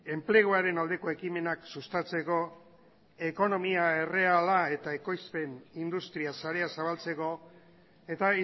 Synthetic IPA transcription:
e̞mple̞ɣ̞oaɾe̞nald̪e̞ko̞e̞kime̞naksust̪at͡se̞ko̞ | e̞ko̞no̞miae̞re̞alae̞t̪ae̞ko̞jspe̞nind̪ust̪ɾiasaɾe̞asaβ̞alt͡se̞ko̞ | e̞t̪ai

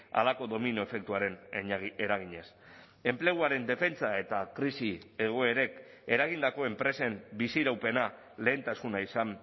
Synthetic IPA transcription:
a̰lako̞ðo̞minoe̞fe̞k̚t̪uaɾe̞neɾaɣ̞iɲes | e̞mple̞ɣuaɾe̞nd̪e̞fe̞nt͡sae̞t̪akɾisie̞ɣ̞o̞e̞ɾe̞k | e̞ɾaɣ̞ind̪ako̞e̞mpɾe̞se̞mbisiɾawpe̞na | le̞ːnt̪asunaisam

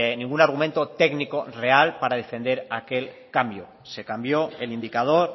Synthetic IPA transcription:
nĩŋɡunaɾɣ̞umẽ̞nt̪ot̪e̞ɡniko̞re̞alpaɾað̞e̞fe̞nd̪e̞ɾake̞l | kambjo | se̞kambjoe̞lind̪ikað̞o̞ɾ

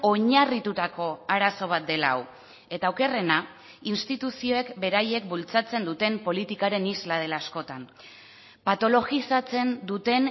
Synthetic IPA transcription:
o̞ɲarit̪ut̪ako̞aɾaso̞β̞at̪̚d̪e̞la̰w | e̞t̪aːwke̞re̞na | inst̪it̪usio̞e̞kbe̞ɾaje̞kbult͡sat͡se̞nd̪ut̪e̞mpo̞lit̪ikaɾe̞nizlað̞e̞laːsko̞t̪an | pat̪o̞lo̞ɣisat͡se̞nd̪ut̪e̞n

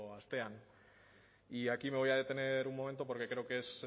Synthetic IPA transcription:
oast̪e̞an | iakime̞β̞ojaðe̞t̪e̞ne̞ɾuŋmo̞ment̪o̞po̞ɾke̞kɾe̞okees

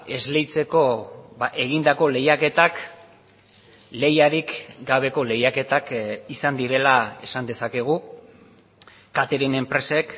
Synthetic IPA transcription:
e̞zle̞jt͡se̞ko̞baʔe̞ɣind̪ako̞le̞jake̞t̪ak | le̞jaɾikɡaβ̞e̞ko̞le̞jake̞t̪akisand̪iɾe̞lae̞̰sand̪e̞sake̞ɣ̞u | kat̪eɾene̞mpɾe̞se̞k

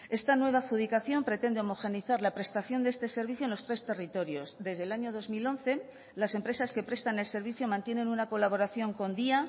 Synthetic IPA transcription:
e̞st̪anwe̞β̞axuðikaθjo̞mpɾe̞t̪e̞nd̪eo̞mo̞xe̞niθaɾlapɾe̞st̪aθjo̞nd̪ee̞st̪e̞se̞ɾβ̞iθjonlo̞st̪ɾe̞st̪e̞rit̪o̞ɾjo̞sd̪e̞zð̞elaɲo̞ð̞o̞zmilo̞nθe̞ | lase̞mpɾe̞saske̞pɾe̞st̪ane̞lse̞ɾβiθjomãnt̪je̞nẽ̞nunako̞laβ̞o̞ɾaθjo̞ŋko̞nd̪ia

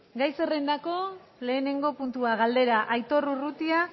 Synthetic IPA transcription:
ɡajse̞re̞nd̪ako̞le̞ːne̞ŋɡo̞punt̪uaɣ̞ald̪e̞ɾaʔajt̪o̞rurut̪ia

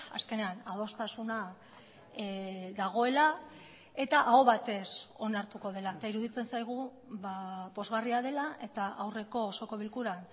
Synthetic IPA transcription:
a̰ske̞ne̞anað̞o̞st̪asuna | ðaɣ̞o̞e̞la | e̞t̪aʔao̞βat̪e̞so̞naɾt̪uko̞ð̞e̞laet̪aiɾuðit͡se̞nsajɣ̞u | βapo̞zɣariaðe̞laʔe̞t̪aʔawre̞ko̞ːso̞ko̞βilkuɾan

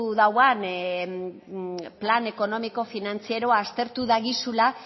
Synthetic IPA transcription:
uðawan | plane̞ko̞no̞miko̞finant͡sie̞ɾo̞aːst̪e̞ɾt̪uðaɣisula

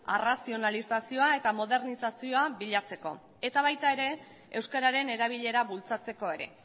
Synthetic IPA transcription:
arasio̞nalisasio̞ae̞t̪amo̞ðe̞ɾnisasio̞aβiʎat͡se̞ko̞̰ | e̞t̪aβ̞ajt̪ae̞ɾe̞ | ewskaɾaɾe̞ne̞ɾaβ̞iʎe̞ɾaβult͡sat͡se̞ko̞e̞ɾe̞

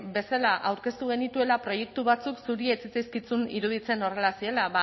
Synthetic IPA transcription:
be̞salaʔawɾke̞st̪uɣe̞nit̪ue̞lapɾo̞je̞k̚t̪uβat͡suksuɾiet͡sit͡sajskit͡sunḭɾuð̞it͡se̞no̞re̞lasie̞laβa

